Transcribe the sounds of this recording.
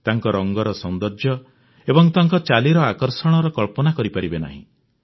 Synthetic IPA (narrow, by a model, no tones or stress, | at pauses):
t̪aŋkɔɾɔŋɡɔɾɔsɔnd̪ɔɾd͡ʒjɔ | ebɔŋt̪aŋkɔt͡ʃaliɾɔakɔɾsɔɽ̃ɔɾɔkɔɭpɔnakɔɾipaɾibena̰ɦḭ̃